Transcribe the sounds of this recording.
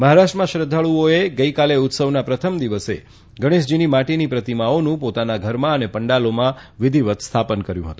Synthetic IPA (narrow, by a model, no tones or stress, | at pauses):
məɦaɾaʃʈɾəmãʃɾəd̪ʱːaɭuoeɡəikaleʊt̪səʋnapɾət̪ʰəmd̪iʋəsḛ | ɡəɽ̃isd͡ʒinimaʈinipɾət̪imaonũpot̪anaɡʱəɾmãənepəɳɖalomãʋɪd̪ʱiʋət̪st̪ʰapənkəɾjũɦət̪ũ